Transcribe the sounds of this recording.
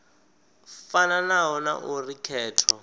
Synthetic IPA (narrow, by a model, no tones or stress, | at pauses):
fananaɦɔna̰ʔurikʰɛːtʰɔ